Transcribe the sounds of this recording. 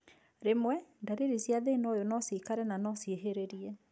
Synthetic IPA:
ɾemwɛndaɾiɾisjaðenɔjonɔsikaɾɛnanɔsjeɦeɾeɾiɛ

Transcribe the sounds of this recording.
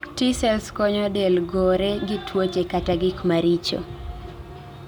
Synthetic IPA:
tisɛlskɔɲɔdɛlɡoɾeɡɪtʰwot͡ʃekataɡɪkmaɾit͡ʃo̰

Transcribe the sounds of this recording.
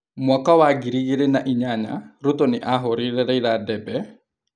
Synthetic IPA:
mwakawaɡiɾiɣeɾenaʔiɲaɲa̰ɾutɔnɪʔaɦoɾeɾɛɾɛiɾadɛbɛ

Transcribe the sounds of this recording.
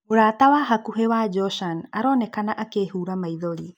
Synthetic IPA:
oɾatawaɦakuɦewad͡ʒɔʃanaɾɔːnɛkanaʔakehuːɾamaiðoɾi

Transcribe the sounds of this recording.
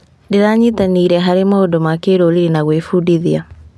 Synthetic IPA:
ndeɾaɲitaniːɾɛɦaɾemaodɔmakeɾoliɾenaɣwefudiðia

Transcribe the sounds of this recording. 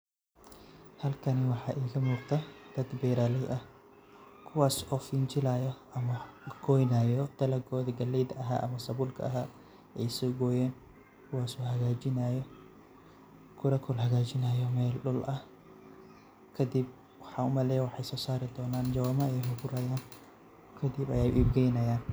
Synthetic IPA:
hɐlkʰɐnɪwɑħɑːʔiːɣɐmuːɾt̪ʰɐd̪̥ɐd̪bɛːɾaːlɛjʔɐh | kʰʊwaːsɔfɪnt͡ʃɪlaːjɔʔɐmɐɡ̥ɔːjnaːjɔt̪ɐlɐɡɔːðɐɡɐlːɛjd̪ɐɐɦa̰ːʔɐmɐsɐbʊlkʰɐ̰ʔɐɦaː | ɛjsɔːɡɔːjɛːn | kʰʊwaːsuːhɐɣaːd͡ʒɪnajɔ | kʰʊɾɐkʰɔlhɐɣaːd͡ʒɪnajɔmɛːlɗʊlʔɐ | kʰɐd̪ɪb̚ | wħaːʊmɐlɛːwɑħajsɔːsaːɾɪd̪ɔːnaːnd͡ʒɐwaːmɐɛjɦɐɡʊɾɐjaːn | kʰɐd̪ɪbɐ̰jɛjʔḭːbɡɛjnɐjaːn

